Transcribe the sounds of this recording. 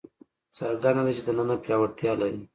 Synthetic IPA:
t͡səɾɡanad̪at͡ʃed̪ənənapjɑwaɽt̪jɑlaɾi

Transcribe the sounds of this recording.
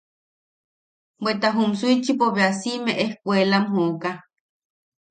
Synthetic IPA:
bwet̪aɦumsuit͡ʃipoβeasimeʔehkʷelamɦoːka

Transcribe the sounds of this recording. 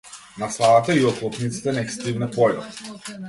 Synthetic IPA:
nasaat̪aiɔklˠɔp̪nit̪si̥t̪ɛnɛkst̪ivnɛp̪ɔjɔ̰t̪

